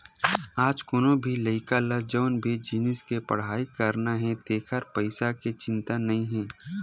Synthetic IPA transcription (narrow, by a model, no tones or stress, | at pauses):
aːd͡ʒkʊnõbʱilɐɪkaləd͡ʒoːnbʱid͡ʒiːnɪskepɐɽ̤aːikəɾnaɦɛ̃d̪eːkʰəɾpəɪsaket͡ʃɪ̃nt̪anɐɦĩɦɛ̃ː